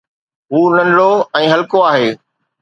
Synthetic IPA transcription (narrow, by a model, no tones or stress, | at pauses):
ɦuːnɐ̃nɽoɛ̃ːɦɐlkoaːɦeː